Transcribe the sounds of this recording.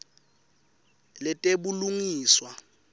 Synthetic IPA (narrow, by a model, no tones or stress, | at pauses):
lɪtʼebuluŋiːswa